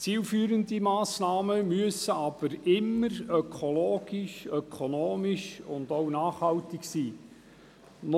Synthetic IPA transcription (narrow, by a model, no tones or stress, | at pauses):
t͡siːlfyːɾəndimɑːsnɑːməmyəsəɑb̥əɾɪmːəɾœkʰoloːɡ̥iʃœkʰonoːmiʃʊndownɑːχhɑltɪksiː | n